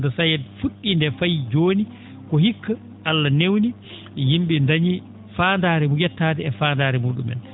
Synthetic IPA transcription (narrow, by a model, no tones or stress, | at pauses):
dɔsajɛdfuɗːindɛfajd͡ʒoːni | kɔhikːa | ʔalːanewni | jimɓindaɲi | faːndaːɾɛmuɡɛtːaːdɛɛfaːndaːɾɛmuːɗṵmɛ̰n